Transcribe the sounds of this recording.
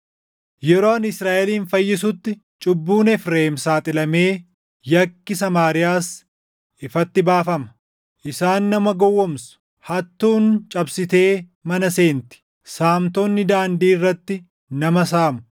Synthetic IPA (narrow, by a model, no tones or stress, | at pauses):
jɛɾoːɐnɪsɾaːʔɛliːnfɐjːɪsʊt̪ːɪ | t͡ʃʼʊbːuːnɛfɾeːmsaːt̪ʼɪlɐme̞ː | jɐkːɪsɐmaːɾɪjaːs | ʔɪfɐt̪ːɪbaːfɐmɐ̥ | ʔɪsaːnːɐmɐɡɔwːɔmsʊ̥ | hɐt̪ːuːnt͡ʃʼɐbsɪt̪e̞ː | mɐnɐse̞ːnt̪ɪ̥ | saːmt̪onːɪd̪aːnd̪iːrːɐt̪ːɪ | nɐmɐs̬aːmʊ